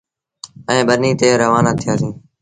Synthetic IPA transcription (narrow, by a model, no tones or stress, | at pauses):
ɛ̃ːɓəniːt̪eːɾəʋaːnaːt̪ʰɪjaːsĩː